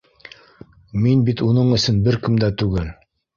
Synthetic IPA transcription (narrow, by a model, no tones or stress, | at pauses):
minbit̪unɤɴɵ̆sɵnbɘɾkɘmd̪æt̪ʉɡɘl